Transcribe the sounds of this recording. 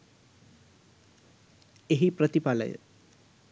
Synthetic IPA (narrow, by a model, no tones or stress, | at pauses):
eɦipɾət̪ipalə̰jə̰